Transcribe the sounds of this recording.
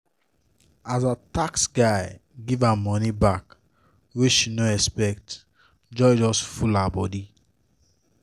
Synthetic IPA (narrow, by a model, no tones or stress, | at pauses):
azataksɡaɪɡivamɔnibak | wit͡ʃʃinoɛspɛkt | d͡ʒɔd͡ʒɔsfulabɔdi